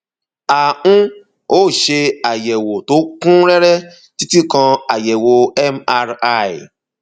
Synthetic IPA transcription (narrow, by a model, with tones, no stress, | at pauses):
a˨ʔũ˦ | o˦˨ʃe˧a˨jɛ˨wo˨to˨˦kũ˦ɾɛ˦ɾɛ˦ | ti˦ti˦kã˧a˨jɛ˨wo˧ɛ˦ma˧ɾa˦i˨